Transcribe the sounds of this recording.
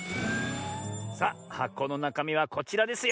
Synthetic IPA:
sahakːo̞ːno̞nakamʲiβako̞t͡ɕiɾad̪e̞sɨj

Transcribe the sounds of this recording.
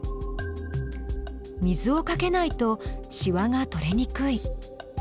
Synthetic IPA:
mʲizɨo̞kake̞nait̪o̞ɕiβaŋat̪o̞ɾe̞ɲ̟ikɯi

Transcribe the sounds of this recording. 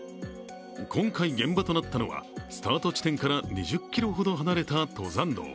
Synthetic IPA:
kʰõ̞ŋkaiɡẽ̞mbat̪o̞nat̪ːano̞βa̰sɨ̥t̪aːt̪o̞t͡ɕi̥t̪ẽ̞ŋkaɾaɲiʑɨkʲːiɾo̞ɦo̞d̪o̞ɦanaɾe̞t̪at̪o̞zãnd̪o̰ː

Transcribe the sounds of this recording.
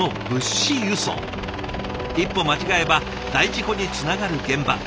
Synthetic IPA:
o̞bɯ̟ɕijɯ̟so̰ː | ipːo̞mat͡ɕiɡae̞ba | d̪aiʑiko̞ɲ̟it͡sɨnaɡaɾɯ̟ɡẽ̞mba̰

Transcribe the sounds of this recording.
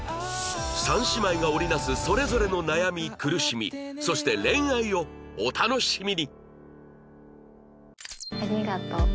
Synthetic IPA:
sãɰ̃ɕimaiɡao̞ɾʲinasɨso̞ɾe̞zo̞ɾe̞no̞najamʲikɯ̟ɾɯ̟ɕimʲḭso̞ɕi̥t̪e̞ɾẽ̞ɰ̃aio̞ːt̪ano̞ɕimʲiɲʲi | aɾʲiɡat̪o

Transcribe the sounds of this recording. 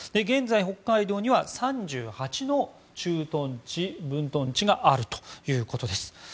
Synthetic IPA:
d̪̥e̞ɡẽ̞nd͡zaiɦo̞kːaid̪o̞ːɲ̟iβasãɲd͡ʑɨːhat͡ɕino̞ | t͡ɕɨːt̪õt͡ɕibɯ̟̃nt̪õ̞ɲt͡ɕiɡaʔaɾɯ̟t̪o̥jɯ̟ːko̞t̪o̞d̪e̞sɨ̥

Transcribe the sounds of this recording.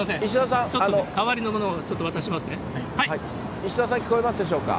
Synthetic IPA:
masẽiɕ̬id̪asãŋt͡ɕotanokaβaɾʲino̞mo̞noːt͡ɕot̪ːoβat̪aɕimasɨne | haihai | iɕid̪as̬ãŋkʲi̥ko̞emasɨd̪e̞ɕ̬o̞ːka̰

